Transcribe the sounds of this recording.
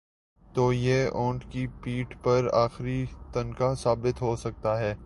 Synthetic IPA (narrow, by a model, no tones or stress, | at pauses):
t̪oːjeːɔ̃ːɳʈkipiːʈpɐɾaːxɾit̪ɐnkasaːbɪt̪ɦoːsɐk̚t̪aɦɛː